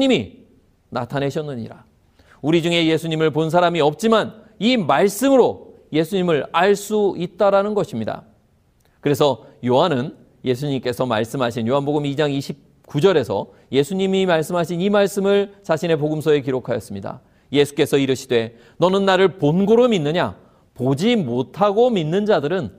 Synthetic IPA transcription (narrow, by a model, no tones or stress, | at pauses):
ɲimi | natʰane̞ɕʰʌnːɯɲḭɾa̰ | uɾid͡ʑuŋe̞je̞sʰuɲimɯɭpons̬ʰaɾamiʌp̚t͡ɕ͈iman | imaɭs͈ɯmɯɾo | je̞sʰuɲimɯɾaɭs͈uit̚t͈aɾanɯnɡʌɕʰimɲida̰ | kɯɾe̞sʰʌjoɦanɯn | je̞sʰuɲimk͈e̞sʰʌma̰ɭs͈ɯmɦaɕʰinjoɦanboɡɯmid͡ʑaŋiɕʰip̚ | k͈ud͡ʑʌɾe̞sʰʌ̰ | je̞sʰuɲimimaɭs͈ɯmɦaɕʰinimaɭs͈ɯmɯɭt͡ɕaɕʰine̞poɡɯmsʰʌe̞kiɾokʰajʌs͈ɯmɲida̰ | je̞sʰu̥k͈e̞sʰʌiɾɯɕʰidwe̞ | nʌnɯnːaɾɯɭponɡoɾominːɯɲa̰ | pod͡ʑimotʰaɡominːɯnd͡ʑadɯɾɯn